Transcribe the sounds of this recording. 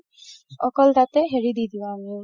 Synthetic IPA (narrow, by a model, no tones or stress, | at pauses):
ɔkɔlt̪at̪ɛɦeɹid̪id̪ĩami